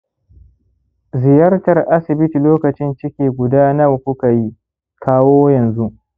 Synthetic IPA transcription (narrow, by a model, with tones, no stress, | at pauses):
zɪ˨jɐ˦rtɐ˨rʔa˦sɪ˨bɪ˦ti˨loː˦kɐ˨t͡ʃɪ˦nt͡ʃɪ˦kʲeː˨ɡʷʊ˨daː˦nɐ˦˨wkʷʊ˦ka˨ji˦ | kʰaː˦woː˦jɐ˨nzu˦ʔ